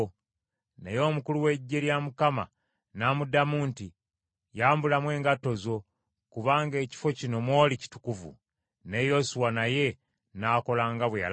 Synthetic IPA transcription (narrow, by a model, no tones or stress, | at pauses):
nejo̞ːmukuluwe̞ɟːe̞ɾjamukama | namudamuːnti | jaːmbulamwe̞ːŋɡato̞zo̞ | kuβaːŋɡe̞ːci̥fo̞cino̞mwo̞ːlici̥tu̥kuvṵ | ne̞josuwanaje̞ | naːko̞laːŋɡaβweja̰l